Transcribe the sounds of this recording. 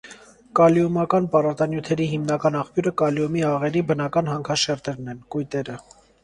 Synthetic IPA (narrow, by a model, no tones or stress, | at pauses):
kɑliumɑkɑnpɑrɑt̪ɑnjut̪ʰɛɾiɦimnɑkɑnɑχpjuɾəkɑliumiɑʁɛɾibənɑkɑnɦɑŋkʰɑʃɛɾt̪ɛɾnɛnkujt̪ɛɾə